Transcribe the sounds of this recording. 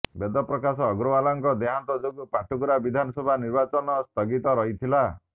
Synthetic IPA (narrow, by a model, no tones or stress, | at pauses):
bed̪ɔpɾɔkasɔːɡɾoalaŋkɔd̪eɦant̪ɔd͡ʒoɡupaʈʰukuɾabid̪ʱanɔsɔbʱaniɾbat͡ʃɔnɔst̪ʰɔɡit̪ɔɾɔɦit̪ʰila